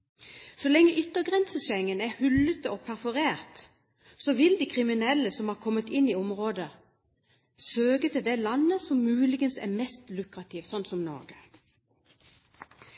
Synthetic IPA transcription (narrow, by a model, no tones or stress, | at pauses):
sɔlɛŋːəʔʏt̪ːəɡʁɛnsəʃɛŋːənæhʉlət̪ɔpʰæʁfɔʁeːʁt̪ | sɔʋɪld̪ikʰʁɪmɪnɛlːəsɔmhɑːʁkʰɔmːət̪ɪniːɔmʁoːd̪ə | søːɡət̪ʰɪld̪ɛlɑnːəsɔmːʉːlɪɡənsæ̰mɛst̪lʉkʁɑt̪ʰɪːʋsɔnt̪sɔmnɔ̰ːɡə